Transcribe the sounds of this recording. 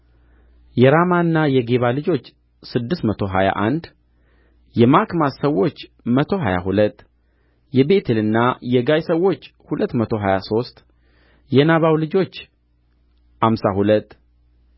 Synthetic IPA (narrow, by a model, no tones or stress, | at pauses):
jɛɾamanːajɛɡeβalɨd͡ʒo̞t͡ʃː | sɨd̪ːɨst̪mət̪ʰo̞ɦa̰ja̰ʔand̪ | jɛmakmassəwːo̞t͡ʃːmət̪ʰo̞ɦaja̰ɦulət̪ː | jɛbe̞t̪ʰɨlɨnːajɛɡajsəwːo̞t͡ʃː | hulət̪ːmət̪ʰo̞ɦajaso̞st̪ | jɛnaβawlɨd͡ʒo̞t͡ʃː | hamsahulət̪ː